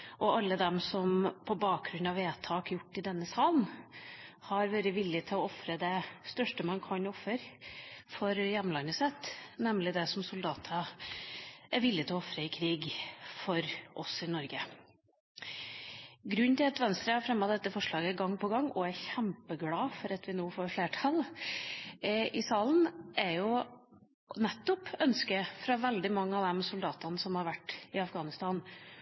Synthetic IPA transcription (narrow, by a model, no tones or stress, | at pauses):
ʔɔʔɑlːəd̪ɛmsɔmpʰɔbɑːk̚ɡɾʉnːɑʋeːt̪ʰɑːkjʊʈːɪd̪ɛnːəsɑːln | hɑɾʋøːɾəʋɪlːɪt̪ʰɪlɔɔfɾəd̪ɛst̪œʂʈəmɑnkʰɑnɔfːəɾfɔɾjɛmːnlɑnːəsɛt̪nɛmlɪd̪ɛsɔmsʊld̪ɑːt̪ʰə | ʔæɾʋɪlːɪt̪ʰɪlɔɔfɾəɪkʰɾiːɡfɔɾʔɔsɪnɔɾɡə | ɡɾʉnːt̪ʰɪlɑt̪ʋɛnst̪ɾəhɑɾfɾɛmːɑd̪ɛt̪ːəfɔʂɭɑːɡəɡɑŋːpʰɔɡɑŋːɔæɾçæmpəɡlɑːfɔɾɑt̪ʋɪnoːfoːɾfɭeːʈʰɑl | ɪsɑːln̩ɛɾjʊ | nɛt̪ːɔpœnskəfɾɑʋɛld̪ɪmɑŋːəɑʋd̪ɛmsʊld̪ɑːt̪ɑnsɔmhɑɾʋæʈːɪɑfɡɑːnɪst̪ɑːn